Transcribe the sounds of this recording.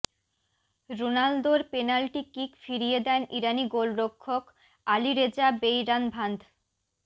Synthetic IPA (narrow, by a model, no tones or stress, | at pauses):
ɾonald̪oɾpenalʈikikfiɾijed̪ɛniɾaniɡolɾokʰːok | aliɾed͡ʑabejɾanbʱand̪ʱ